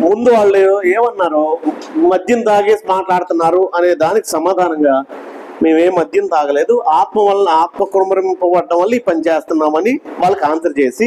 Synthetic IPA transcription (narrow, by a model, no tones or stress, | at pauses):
mund̪uʋaːɭːueːmɐnːaːɾoː | mɐd̪ʱjɐnt̪aːɡeːsmaːʈlaːɽut̪unːaːɾuʔɐne̞ːd̪aːniki̥sɐmaːd̪ʱaːnɐŋɡaː | me̞ːmeːmːɐd̪ʱjɐnt̪aːɡɐle̞ːd̪uʔaːt̪mɐɐlːɐniaːt̪mɐkuɾɐmɐɾɐmpɔːʋɐɖːɐmʋɐlːipɐnit͡ʃeːst̪unːaːmɐniʋaːɭːɐkaːnsɐɾt͡ʃe̞ːsi